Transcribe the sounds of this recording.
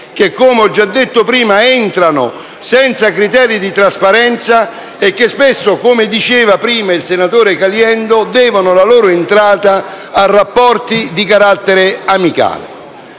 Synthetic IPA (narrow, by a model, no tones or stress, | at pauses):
k̟ekːomeɔd͡ʒːad̪ːet̪ːʊpɾiːmaɪnt̪ɾanʊ̰ | sɛnt̪sakɾit̪ɛːɾid̪it̪ɾaspaɾɛnt̪sa | ekːɪspɪsːʊkomɪd̪it͡ʃeːvapɾiːmailsenat̪oːɾɪkaljɛnd̪ʊd̪ɛːvanʊlaloːɾʊɪnt̪ɾaːt̪aː | rːapːɔrt̪id̪ikaɾat̪ːɛɾɪamika̰ːlɪ̰